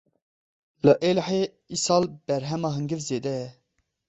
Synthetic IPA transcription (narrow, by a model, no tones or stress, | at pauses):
ləʔeːlħeː | isɑːlb̥ɛɾɦɛmɑːɦɨŋɡɨvzeːd̪ɛjɛ